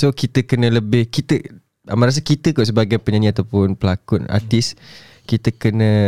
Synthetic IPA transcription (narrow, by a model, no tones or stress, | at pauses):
sokit̪əkənə̃ləbɪhkit̪ə | a̰mãɾas̬akit̪əkɔʔs̬əbaɡajpəɲaniat̪awpʊnpəlakʊna̰t̪is | kit̪əkənə̃